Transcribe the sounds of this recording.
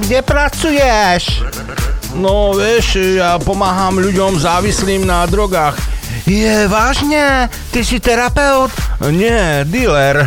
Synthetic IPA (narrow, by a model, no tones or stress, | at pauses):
ɡɟɛpɾat͡sujɛʃ | nɔʋɪɛʃjaːpɔmaːɦamʎuɟɔmzaːʋisliːmnad̪ɾɔɡaːx | jɛvaːʒɲɛ | t̪isit̪ɛɾapɛʊt̪ɲɛd̪ilɛɾ